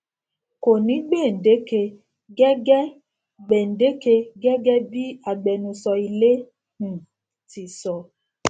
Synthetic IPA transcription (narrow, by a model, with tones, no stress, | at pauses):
ko˨nĩ˨˦ɡ͡be˦˨n̩˨de˨˦ke˧ | ɡɛ˦ɡɛ˦ | ɡ͡bɛ˨n̩˨de˨˦ke˧ɡɛ˦ɡɛ˦bi˦a˨ɡ͡bɛ˧nũ˧sɔ˧i˧le˦ | ũ˨ | ti˨sɔ˧˨